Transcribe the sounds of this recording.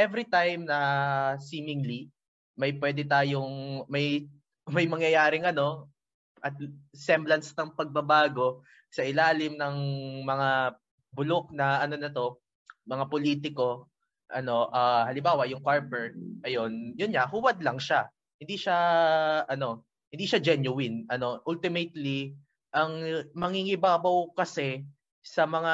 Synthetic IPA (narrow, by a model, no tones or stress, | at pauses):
ʔɛvɾit̪ajmnɐsiːmɪŋli | mɐjpwɛːd̪ɛt̪̬aːjoŋmɐj | mɐjmɐŋjɐjaːɾɪŋʔɐno̞ | ʔɐt̪̚sɛmblɐnsnɐŋpɐɡ̚bɐbaːɡo̞ | sɐʔɪlaːlɪmnɐŋmɐŋa | bʊlok̚nɐʔɐno̞nɐt̪o̞ | mɐŋapoliːt̪̬ɪko̞ | ʔɐno̞ʔahɐlɪmbaːwɐʔjʊŋkaɹbɛɹ̚ʔɐjo̞njʊnɲaɦuwɐd̪lɐŋʃa | hɪnd̪iʃaʔɐno̞ | hɪ̃nd̪iːʃad͡ʒɛnjʊwɪnʔɐno̞ʔult̪ɪmɛt̪li | ʔɐŋmɐŋiŋɪbaːbɐwkɐsɛ | sɐmɐŋa